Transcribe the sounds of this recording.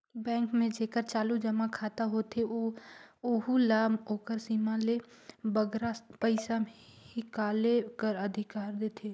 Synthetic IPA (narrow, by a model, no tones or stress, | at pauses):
bɛ̃ːŋkmẽd͡ʒeːkəɾt͡ʃaːlud͡ʒɐmakʰaːt̪aɦoːt̪ʰeooɦulaːmoːkəɾsiːmãlebəɡɾapəɪsamhɪkaːlekəɾɐd̪ʱɪkaːɾd̪eːt̪ʰeː